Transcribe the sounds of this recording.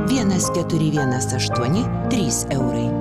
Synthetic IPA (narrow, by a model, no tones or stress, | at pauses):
ʋʲiɛnɐskʲɛt̪ʊɾʲɪʋʲiɛnɐsɐʃt̪uɔnʲɪ | t̪ʲɾʲiːsɛʊɾɐɪ